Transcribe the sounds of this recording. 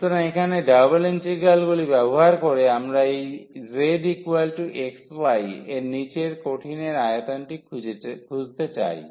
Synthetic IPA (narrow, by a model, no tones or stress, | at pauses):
t̪ɔɾaekʰaneɖabalent͡ʃiɡalɡulibabɔɦaɾkɔɾeamɾaejzeɖikuwalʈuʔeksbajenit͡ʃeɹkoʈʰineɾajt̪ɔnʈikʰuzt̪et͡ʃa̰j